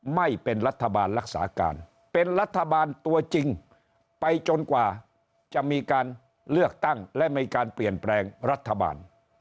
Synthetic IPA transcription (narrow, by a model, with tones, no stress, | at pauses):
ma˥˩jpe˧nɾa˦˥t̪ʰːa˧baː˧nɾa˦˥k̚sa̰ː˩˦˥ka̰ː˧n | pe˧nɾa˦˥t̪ʰːa˧baː˧nt̪u˧ɐt͡ɕi˧ŋ | pa˧jt͡ɕo˧nkwaː˨˩ | t͡ɕa˨˩ʔmiː˧kaː˧n | lɯ˥˩ək̚t̪a˥˩ŋlɛ˦˥ʔmiː˧kaː˧npli˨˩ənplɛː˧ŋɾa˦˥t̪ʰːa˧ba̰ː˧n